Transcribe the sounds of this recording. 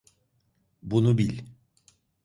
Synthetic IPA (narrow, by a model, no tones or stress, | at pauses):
bunubilʲ